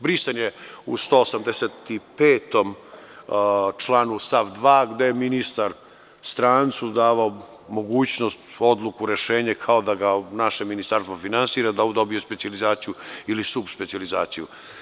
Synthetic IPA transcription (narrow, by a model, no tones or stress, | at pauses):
bɾist̪anjeust̪oːosamd̪eset̪ipeːt̪o̞m | t͡ʃlˠanust̪afd̪ʋaːɡd̪ejeminist̪aɾ | st̪ɾaːnt̪sud̪aːʋao | mo̞ɡuːt͡ɕnost̪o̞d̪lˠukuɾe̞ʃeːɲekʰao̞d̪aɡanaʃe̞minist̪aɾst̪vofinansiːɾad̪aud̪o̞bije̞spet̪sializaːt̪sijuilisubspet̪sializaːt̪siju